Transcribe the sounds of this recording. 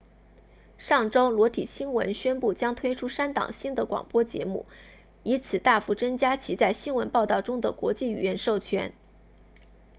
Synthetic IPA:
ʂɑ˥˩ŋʈ͡ʂo˥ʊlwɔ˧˥t̪ʰḭ˨˩ɕi˥nwə̰˧˥nɕɥɛ˥npu˥˩t͡ɕjɑ˥ŋt̪ʰwe˥ɪʈ͡ʂʰu˥ʂa˥nt̪ɑ̰˨˩ŋɕi˥nd̪ə˨kwɑ̰˨˩ŋpwɔ˥t͡ɕjɛ̰˧˥mu˥˩ | i˧˥t͡sʰɹ̩˨˩t̪a˥˩fu˧˥˩t͡sə˥ŋt͡ɕja˥t͡ɕʰi˧˥t͡sa˥˩ɪɕi˥nwə˧˥npɑ˥˧ʊt̪ɑ˥˩ʊʈ͡ʂʊ˥ŋd̪ə̰˨kwɔ̰˧˥t͡ɕi˥˩y̰˨˩jɛ˥˧nʂo˥˩ʊt͡ɕʰɥɛ̰˥n

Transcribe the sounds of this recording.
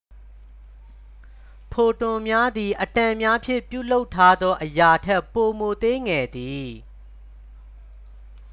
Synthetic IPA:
pʰo˨tʊ̃˨mja˦d̪i˨ʔə˨tã˨mja˦pʰjɪ̰̃˦˨pjṵ˦˨lo˦ʊtʰːa˦d̪ɔ˦ʔəja˨tʰɛ˦pːo˨mo˨t̪e˦ŋɛ˨d̪i˨

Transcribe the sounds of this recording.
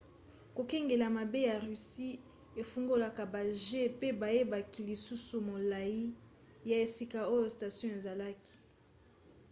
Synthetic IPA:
ko˨kɛ˦ŋɡe˨la˨ma˨be˦ja˨ʁy˨si˦ | e˨fu˦ŋɡo˦la˨ka˨ba˨ʒe˦pe˦ba˨je˦ba˨ki˨li˨su˦su˨mo˨la˨ji˦ | ja˨e˨si˨ka˨o˦jo˨sta˨sjɔ̃˦e˨za˨la˦ki̥˨

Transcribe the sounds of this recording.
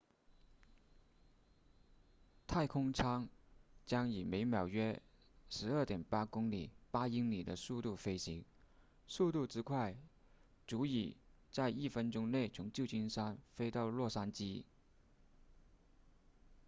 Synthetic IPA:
t̪ʰa˥˩ɪkʰʊ˥ŋʈ͡ʂʰɑ˥ŋt͡ɕjɑ˥ŋi˨˩me˧˥ɪmjɑ˨˩ʊɥɛ˥ʂɻ̩˧˥ə˞˥˩t̪jɛ˨˩npa˥kʊ˥ŋli˨˩pa˥i˥ŋli˨˩d̪ə˦su˥˧t̪u˥˩fe˥ɪɕi˧˥ŋ | su˥˧t̪u˥˩ʈ͡ʂɻ̩˥kʰwa˥˩ɪ | ʈ͡ʂu˧˥i˨˩ | t͡sa˥˧ɪi˥˩fə˥nʈ͡ʂʊ˥ŋne˥˩ɪt͡sʰʊ˧˥ŋt͡ɕjo˥˩ʊt͡ɕi˥nʂa˥nfe˥ɪt̪ɑ˥˧ʊlwɔ˥˩ʂa˥nt͡ɕi˥

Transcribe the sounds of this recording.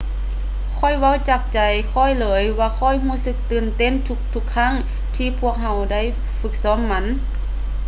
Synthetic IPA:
kʰɔ˧˥˩jwa˧˥˨wt͡ɕaː˧˩k̚t͡ɕa˨˩jkʰɔ˧˩˨jlɤː˨˦jwaː˧kʰɔ˧˥˨jɦuː˧˥˨sɯ˧˥k̚t̪ɯː˨˩nt̪e˧˥˨nt̪ʰu˧k̚t̪ʰu˧kʰːa˧˥˨ŋ | t̪ʰiː˧pʰu˧˥˩ək̚ha˧wda˧˥˨j | fɯ˧˥k̚sɔː˧˥˨mːa˧˥n

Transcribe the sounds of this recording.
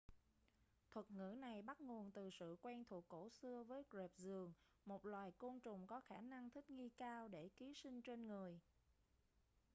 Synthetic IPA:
t̪ʰwə˨˩t̚ŋɨ̰˧˥na˨˩jɓa˦˥t̚ŋo˨˩ənt̪ɨ˨˩sɨ̰˧˨kwɛː˧nt̪ʰu˨˩əkːo˧˥˩sɨ˧əvəː˨˦jkze˨˩p̚zɨ˨˩əŋ | mo˨˩t̚lwaː˨˩jko˧nt͡ɕʊ˨˩ŋ͡mkɔ˨˦xaː˧˩na˧ŋt̪ʰï˦˥k̟̚ŋi˧kaː˧wɗe˧˩ki˨˦sï˧ŋ̟t͡ɕe˧nŋɨ˨˩əj

